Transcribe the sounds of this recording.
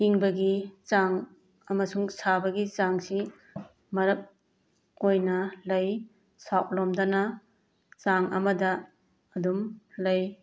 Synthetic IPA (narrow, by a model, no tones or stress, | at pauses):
iŋbɐɡit͡ʃaŋ | ɐmɐsuŋsabɐɡit͡ʃaŋsi | mɐɾɐk̚ | ojnɐlɐj | saʔ̚lɔmdɐnɐ | t͡ʃaŋɐ̰mɐdɐ | ɐdumlɐj